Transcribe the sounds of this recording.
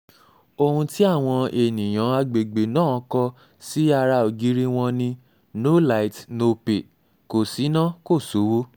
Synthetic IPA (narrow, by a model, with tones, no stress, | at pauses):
o˧hũ˧ti˦a˦˨w̃ɔ̃˧e˨nĩ˨j̃ã˨˦a˧ɡ͡be˨ɡ͡be˨nãː˦˨˦kɔ˧ | si˦a˧ɾa˧o˨ɡi˨˦ɾi˦w̃ɔ̃˧nĩ˧ | no˦la˧i˨tno˧pe˨ | ko˨si˨˦nã˦ko˦˨so˨˦wo˦